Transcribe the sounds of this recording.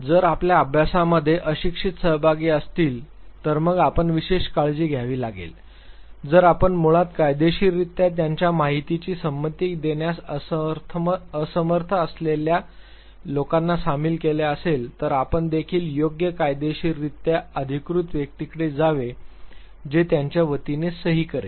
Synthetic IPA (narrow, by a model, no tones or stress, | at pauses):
d͡zəɾapljaəbʱjasaməd̪ʱːjeʔəɕikʂit̪səɦbʱaɡiːəst̪iːl | t̪əɾməɡapəɳʋiɕeɕkaɭd͡ʑiːɡʱjaʋiːlaɡḛl | d͡zəɾapəɳmuɭat̪kajd̪eɕiːɾit̪ːjat̪jaɲt͡ɕjamaɦit̪it͡ɕiːsəmːət̪id̪eɳjast̪ʰəsəməɾt̪ʰəəslelja | lokanːasamilkeleəselt̪əɾapəɳd̪ekʰiːljoɡjəkajd̪eɕiːɾːit̪jaəd̪ʱikɾut̪ʋjək̚t̪ikɽed͡zaʋe | d͡ʑet̪jaɲt͡ɕjaʋət̪inesəɦiːkəɾḛ